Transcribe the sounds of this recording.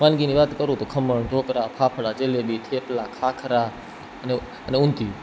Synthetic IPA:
mãːnɡiːniːʋaːt̪kəɾoːt̪oːkʰəməɳɖʱoːkɾaːpʰaːpʰəɽaːt͡ʃeːleːɓiːʈ̪ʰeːplaːkʰaːkʰəɾaː | əne | əneʊ̃nt̪iː

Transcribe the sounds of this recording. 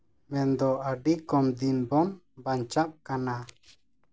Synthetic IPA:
mɛnd̪ɔʔaɖikɔmd̪inbɔn | baɲt͡ʃap̚kana

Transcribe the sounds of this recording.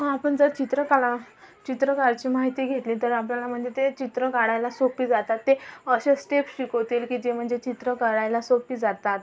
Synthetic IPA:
apəɳd͡zəɾt͡ɕit̪ɾəkala | t͡ɕit̪ɾəkaɾt͡ɕiːmaɦit̪iːɡʱet̪liːt̪əɾapljalam̤əɳd͡zet̪et͡ɕit̪ɾəkaɽajlasopiːd͡zat̪at̪ːeəɕesʈepɕikɦot̪ilkiːd͡ʑem̤əɳd͡zet͡ɕit̪ɾəkaɽajlasopiːd͡zat̪at̪

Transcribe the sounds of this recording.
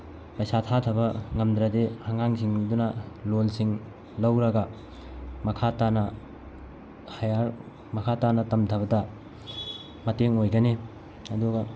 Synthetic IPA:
pɐjsatʰatʰɐbɐŋɐmd̪ɾɐdehaŋaŋsʰiŋdunɐlolsiŋ | lɐwɾɐɡɐ | mɐkʰatanɐ | hɐjaɾ | mɐkʰatanɐtɐmtʰɐbɐdɐ | mɐteŋojɡɐne | ɐduɡɐ

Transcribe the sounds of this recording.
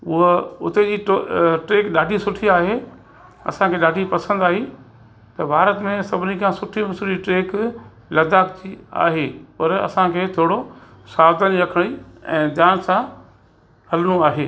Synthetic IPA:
ʊɦoʊt̪ed͡ʑiːʈʈeːkɗaːɖʱisʊʈʰiaːɦe | ɐ̰sãkʰeːɗaːɖʱipɐsə̃nd̪aːɦi | t̪ɐbʱaːɾət̪mẽsɐbʱɪnĩkãsʊʈʰimʊsud͡ʑiʈɾeːk | lɐd̪ʱaːk̚d͡ʑia̰ːɦeːpɐɾɐ̰sãkʰeːt̪ʰoːɽo | saːd̪ənɾɐkʰəɽ̃iɛ̰̃ːd͡ʑaːnsã | hɐlnũaːɦeː

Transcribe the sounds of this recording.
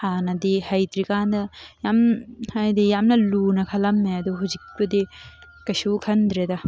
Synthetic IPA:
anɐd̪ihajd̪ɾikand̪ɐjamhajd̪ijamnɐlunɐkʰɐlɐmeɐd̪uɦuzik̚pɐd̪i | kɐjsukʰɐnd̪ɾed̪ɐ

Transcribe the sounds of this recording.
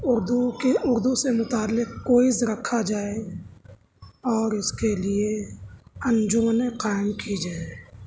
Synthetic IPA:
ʊɾd̪ukeʊɾd̪usemʊt̪aːlːɪqkːoːɪzɾɐkʰad͡ʒaːe | ɔːɾɪskelie | ɐ̃nd͡ʒʊːneqaːɪmkid͡ʒaːe

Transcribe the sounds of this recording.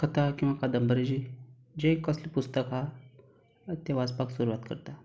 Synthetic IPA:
kʰət̪akĩw̃ʋakad̪əmbəɾid͡ʑi | d͡ʑẽkəslipust̪əkɦa | t̪eʋaspaksuɾuʋat̪kə̰ɾt̪a

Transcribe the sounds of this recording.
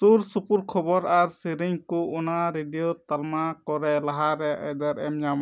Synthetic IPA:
suɾsupuɾkʰɔbɔɾaɾsiɾiɲkɔʔunaɾeɖijɔt̪almakɔɾɛlaɦaɾɛʔɛ̰d̪ɛɾɛmɲam

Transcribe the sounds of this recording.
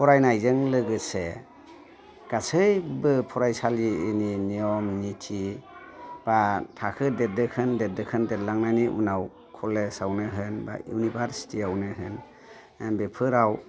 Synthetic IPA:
pʰɔɾajnajzɯŋlɯɡɯse | ɡ̥asɯjbɯpʰɔɾajsaliːniniɔmnitʰi | b̥atʰakʰɯdet̚dɯkʰɯndet̚dɯkʰɯndetlaŋnaniʔṵnaw | kʰɔlesawnɯɦɯnba̰jṵnibʱaɾsi̥tʰiawnɯɦɯn | bepʰɯɾaw

